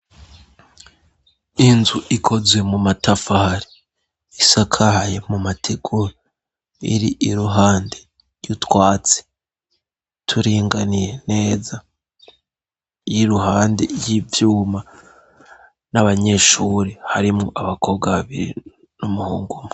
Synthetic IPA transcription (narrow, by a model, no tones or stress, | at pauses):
inzuikʰo̞zwe̞mumatʰafaɾi | isakʰahaje̞mumatʰeɡuɾo | ḭɾiʔiɾuɦaːnde | jutwaːt͡se̥ | tʰuɾiːŋɡanije̞ne̞ːza | jiɾuɦaːndḛjivjuːma | naβaɲe̞ʃuːɾihaɾimŋoʔaβako̞βɡaβaβiɾḭ | numuhuːŋɡumu